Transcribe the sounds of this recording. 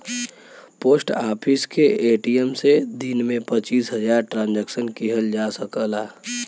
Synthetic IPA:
poːsʈaːpʰɪskeʔeʈiemsed̪inmẽpət͡ʃiːsɦəd͡ʒaːɾʈɾãːnd͡ʒɛksənkiɦəld͡ʒasəkəlaː

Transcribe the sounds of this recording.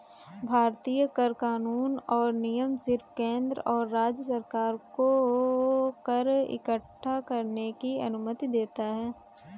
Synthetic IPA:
bʱaːɾt̪iːjəkəɾkaːnuːnɔːɾnijəmsɪɾpkẽːnd̪ɾɔːɾːaːd͡ʒjəsəɾkaːɾko | kəɾɪ̰kəʈʰːakɐɾnekiɐ̰nʊmət̪id̪eːt̪aɦɛː

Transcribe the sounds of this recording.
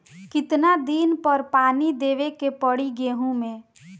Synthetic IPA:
kɪt̪nad̪inpəɾpaːnid̪eːʋekepəɽiɡeːɦũmẽ

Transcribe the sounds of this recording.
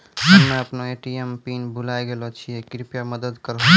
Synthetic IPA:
ɦəmːẽəpnoeʈiempinbulajɡelɔt͡ʃʰijɛkɾipjaməd̪əd̪kəɾɦ

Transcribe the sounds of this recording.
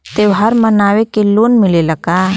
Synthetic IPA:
t̪eːwɦaɾmənaːwekeloːnmɪleləɡaː

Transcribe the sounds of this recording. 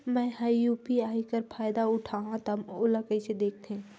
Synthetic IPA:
mɛ̃ːhajjuːpiaːikəɾpʰaːjd̪aʊʈʰaːɦãt̪oɦmoləkəised̪eːk̚ʰt̪eɦɛ̃ː

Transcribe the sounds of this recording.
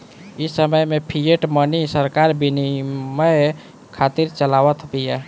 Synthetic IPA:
isəməjmepʰijeʈmənisəɾkaɾbiniməj | kʰat̪iɾt͡ʃəlaʋət̪ʰbija

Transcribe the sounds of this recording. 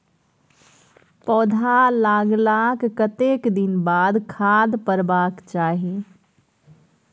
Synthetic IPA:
pɔːd̪ʱalaːɡlaːkːət̪eːkd̪ɪnbaːd̪kʰaːd̪pəɾbaːkt͡ʃaːɦie

